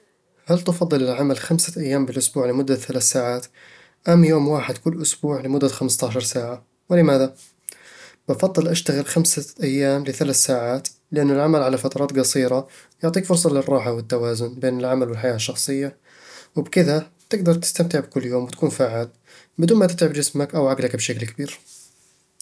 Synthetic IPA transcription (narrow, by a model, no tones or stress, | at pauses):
halt̪ɑfɑd̪ˤːɨlɪlʕamalxamsaʔajːaːmbɪlʔʊsbuːʕlɪmʊd̪ːaθalaːθsaːʕaːt̪ | ʔamːjoːmwaːħɪd̪kʊlːʔʊsbuːʕlɪmʊd̪ːaxamst̪aːʃɑɾˤsaːʕa | wɪlɪmaːða | bɑfɑðˤːɨlʔaʃt̪aɣɪlxamsaʔajːaːmlɪθalaːθsaːʕaːt̪ | lɪʔanːalʕamalʕalafat̪ɑɾˤɑːt̪ɡɑsˤiːɾɑ | jʊʕt̪ˤiːkfʊɾs̬ˤɑlɪrˤːɑːħawɪt̪ːawaːzʊnbeːnɪlʕamalwɪlħajaːʃːɑxsˤɨjːa | wɪbkɪða | t̪ɪɡd̪ɑɾˤt̪ɪ̥st̪amt̪ɪʕbɪkʊlːjoːmwɪt̪ḁkuːnfaːʕaːl | bɪd̪uːnmat̪ɪt̪ʕɪbd͡ʒɪsmakʔawʕaɡlakbʃaklkabiːɾ